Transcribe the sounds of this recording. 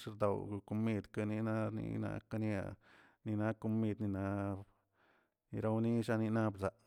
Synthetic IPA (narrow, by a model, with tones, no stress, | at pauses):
ʂɾd̪o˨wko˧mi˧d̪ka˧ni˧na˦nḭ˧na̰˧ka˧ni˦a̰˨ | ni˧na˧ko˧mi˧d̪ni˧na˧ | i˧ɾa˧wni˦ʃa˧ni˧na˦˧bza˨ʔ